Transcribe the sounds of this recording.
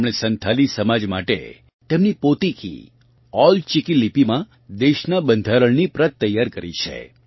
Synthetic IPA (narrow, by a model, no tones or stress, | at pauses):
mɽ̃esənt̪ʰalisəmad͡ʒmaʈḛ | t̪emnipot̪ikʰḭ | ɔlt͡ʃɪkilipimã | d̪eʃnabənd̪ʱaɾəɭnipɾət̪ːəjːaɾkəɾḭt͡ʃʰḛ